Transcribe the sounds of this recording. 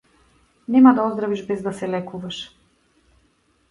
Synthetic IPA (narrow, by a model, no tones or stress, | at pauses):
nɛmad̪aɔzd̪ɾaviʒbɛzd̪asɛlɛkuvaʃ